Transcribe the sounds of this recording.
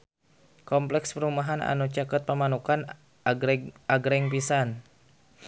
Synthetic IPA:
kɔmplɛkspəɾumaɦana̰nut͡ʃakat̪̚pəmanukan | aɡɾɛŋpisan

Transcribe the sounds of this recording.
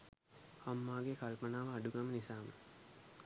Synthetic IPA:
hamːaːɡekalpənaːʋəaɖuɡamənisaːmə

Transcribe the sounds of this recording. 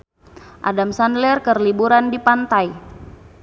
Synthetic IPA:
ʔa̰damsandlɛrkərlibuɾandipant̪aj

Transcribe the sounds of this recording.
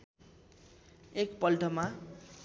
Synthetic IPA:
ekpʌlʈʌma

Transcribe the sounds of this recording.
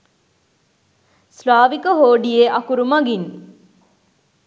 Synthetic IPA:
slaːʋikəɦoːɖijeʔakuɾumɐɡin

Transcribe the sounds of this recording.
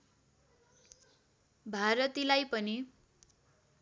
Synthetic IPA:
bʱaɾʌt̪ilajpʌni

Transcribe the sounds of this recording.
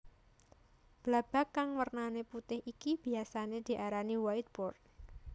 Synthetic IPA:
b̥lab̥a̤kːaŋwərnaneput̪ɪhʔikib̥iasaned̪̥i̤ʔaɾaniwait̪̚b̥ɔr

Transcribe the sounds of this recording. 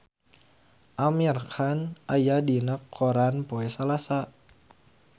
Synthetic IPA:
ʔamirkʰanʔajadinəkʰːoɾanpoɛsalasa

